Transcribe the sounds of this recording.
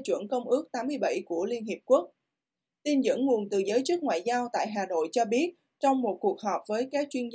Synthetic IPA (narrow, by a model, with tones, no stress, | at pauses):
t͡ɕwɨ̰˧˩ənkə˧wŋ͡mʔɨ˦˥ək̚t̪aː˨˦mːɨ˧əjɓa̰˧˩jku˧˩əli˧ənɦi˨˩əp̚ku˦˥ək̚ | t̪i˧nzɨ̰˧˥nŋu˨˩ənt̪ɨ˨˩zəː˨˦jt͡ɕɨ˦˥k̚ŋwa̰ː˧˨jzaː˧wt̪a̰ː˧˨jɦaː˨˩no̰˧˨jt͡ɕɔ˧ɓi˦˥ət̚ | t͡ɕɔ˧wŋ͡mmo˨˩t̚ku˨˩ək̚ɦɔ˨˩p̚vəː˨˦jkaː˦˥k̚t͡ɕwi˧ənz